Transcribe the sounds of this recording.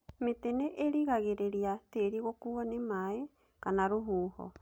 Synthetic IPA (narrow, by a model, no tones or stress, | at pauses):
meteneʔeɾiɣaɣeɾeɾiateɾiɣokuanemae | kanaɾuɦuːho̰